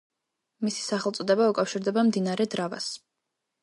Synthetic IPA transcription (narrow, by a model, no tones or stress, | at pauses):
misi̥saχɛlˠt̪sʼɔd̪ɛbaukʼafʃiɾd̪ɛbamd̪inaɾɛd̪ɾava̰s